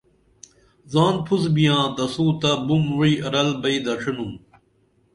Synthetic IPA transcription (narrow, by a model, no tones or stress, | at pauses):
zaːnpʰuzbijãːt̪ɐsuːt̪ɐbumwiːɐɾɐlbɐid̪ɐʂʰinum